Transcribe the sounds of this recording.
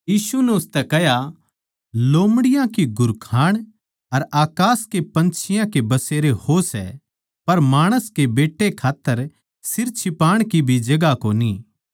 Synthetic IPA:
jiːsunɛʊst̪ɛkɛɦja | loːmɽɪjãkiɡʱʊɾkʰaːɽ̃ | ɐɾaːkaːskepɐ̃nt͡ʃʰɪjãkebɐseːɾehosɛ̰ | pɐɾmaːɽ̃əskebeːʈːekʰaːt̪ːəɾ | sɪɾt͡ʃʰɪpaːɽ̃kibʱid͡ʒɐɡakoːni

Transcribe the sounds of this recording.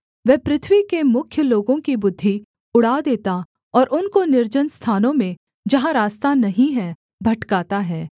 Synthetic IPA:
ʋɛːpɾɪt̪ʰʋikemʊkʰjəloːɡõkibʊd̪ʱːi | ʊɽ̤aːd̪eːt̪a | ɔːɾʊnkonɪɾd͡ʒənst̪ʰaːnõmẽ | d͡ʒɐɦãɾaːst̪anɐɦĩɦɛ | bʱɐʈkaːt̪aɦɛː

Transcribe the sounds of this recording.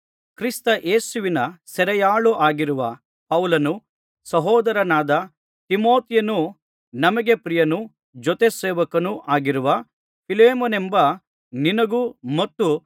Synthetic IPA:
kɾist̪ɐʔe̞ːsuʋinɐsɛɾɛjaːɭuʔaːɡiɾuʋɐ | pɐwlɐnu | sɐɦɔːd̪ɐɾɐnaːd̪ɐ | t̪imo̞ːt̪ijɐnu | nɐmɐɡe̞pɾijɐnu | d͡ʒɔt̪eseːʋɐkɐnuʔaːɡiɾuʋɐ | pʰileːmɐnembɐ | ninɐɡumɐt̪ːu

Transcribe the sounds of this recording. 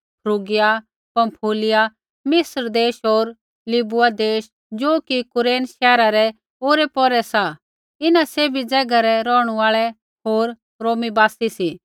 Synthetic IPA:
pʰɾuːɡɪja | pɐ̃mpʰoːlɪja | mɪsɾd̪eːʃoːɾ | lɪbʊad̪eːʃ | d͡ʒoːkikʊɾeːnʃɛːɾaɾɛ | oːɾɛpɔɾɛsa | ɪnaseːbʱid͡zɛːɡaɾɛɾɔːɽ̃uaːɭɛ | ɦoːɾ | ɾoːmibaːsisiː

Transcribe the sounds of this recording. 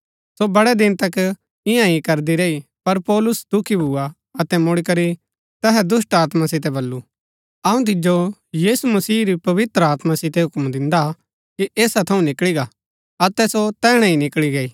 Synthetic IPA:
sobɐɽɛd̪ɪnt̪ɐk | ɪ̃jãikɐɾd̪iɾei | pɐɾpɔːlʊsd̪ʊkʰibʱʊa | ɐt̪ɛmʊɽikɐɾi | t̪ɛɦɛd̪ʊs̬ʈaːt̪masɪt̪̬ɛbɐlːu | ɐũt̪̬ɪd͡ʒojiːsumɐsiːɾipɐʋɪt̪ɾəaːt̪masɪt̪ɛɦʊkmd̪ɪ̃nd̪a | kiʔeːsat̪ʰɐũnɪkɭiɡa | ɐt̪ɛsot̪ɛːɽ̃ɛ̃inɪkɭiɡɐiː

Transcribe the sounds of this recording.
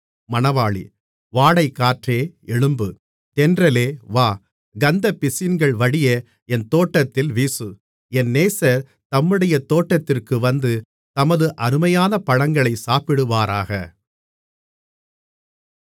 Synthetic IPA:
mɐnɐʋaːɭḭ | ʋaːɽɐɪkːaːʈreːɛɻɯmbɯ | t̪ɛndrɐleːʋaː | ɡɐnd̪ɐpɪsɪnɡɐɭʋɐɽɪjɐ | ɛnt̪oːʈːɐt̪ːɪlʋiːsɯ | ɛnːeːsɐɾ | t̪ɐmːɯɽɐjɐt̪oːʈːɐt̪ːɪrkɯʋɐnd̪ɯ | t̪ɐmɐðɯʔɐɾɯmɐjaːnɐpɐɻɐŋɡɐɭɐɪsaːpɪɽɯʋaːɾaːɣɐ

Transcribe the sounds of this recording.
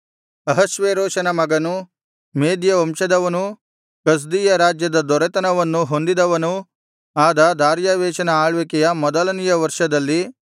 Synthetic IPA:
ɐɦɐʃʋeːɾoːʂɐnɐmɐɡɐnu | meːd̪jɐɐmʃɐd̪ɐʋɐnu | kɐs̬d̪iːjɐɾaːd͡ʒjɐd̪ɐd̪ɔɾɛt̪ɐnɐʋɐnːuɦond̪id̪ɐʋɐnu | aːd̪ɐd̪aːɾjaːʋɛːʃɐnɐaːɭʋekɛjɐmɔd̪ɐlɐnijɐʋɐɾʂɐd̪ɐlːi

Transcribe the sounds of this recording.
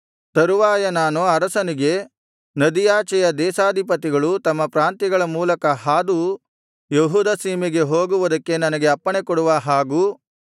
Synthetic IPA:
t̪ɐɾuʋaːjɐnaːnuɐɾɐsɐniɡe̞ | nɐd̪ijaːt͡ʃɛjɐd̪ɛːsaːd̪ʱipɐt̪iɡɐɭut̪ɐmːɐpɾaːnt̪iɡɐɭɐmuːlɐkɐɦaːd̪u | jeɦuːd̪ɐsiːmiɡe̞ɦoːɡuʋud̪ɐkːe̞nɐnɐɡe̞ɐpːɐɳekɔɽuʋɐɦaːɡuː

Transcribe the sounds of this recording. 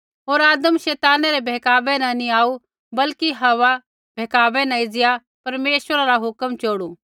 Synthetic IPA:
ɦoːɾaːd̪əmʃɛːt̪aːnɛɾebʱɛːkaːbɛ̃nɐ̃nĩaːu | bɐlkiɦɐʋa | bʱeːkaːbɛ̃nãid͡zɪja | pɐɾmeːʃʋəɾaɾaɦʊkəmt͡ʃoːɽu

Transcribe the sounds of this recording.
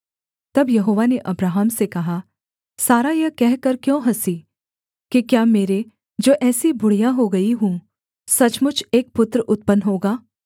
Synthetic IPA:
t̪ɐbjɐɦoːʋaneʔɐbɾaːɦəmsekɐɦaː | saːɾajɐkɛɦkɐɾkjõːɦɐsiː | kikjaːmeːɾe | d͡ʒoːʔɛːsibʊɽ̤ijãɦoɡɐiɦũ | sɐt͡ʃmʊt͡ʃʰeːk̚pʊt̪ɾəʔʊt̪̚pənɦoːɡaː

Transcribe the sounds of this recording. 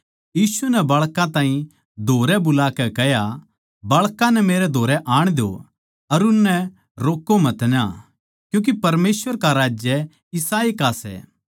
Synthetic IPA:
jiːsunɛbɐɭkãt̪aːĩ | d̪ʱoːɾɛbʊlaːkɛkɛja | bɐɭkãnɛmeːɾɛd̪ʱoːɾɛʔaːɽ̃d̪jo̰ | ɐɾʊnːɛ | ɾoːkːomɐt̪na̰ | kjũːk̬ipɐɾmeːsʋəɾkaɾaːd͡ʒjə | ɪsaːikasɛ̰ː

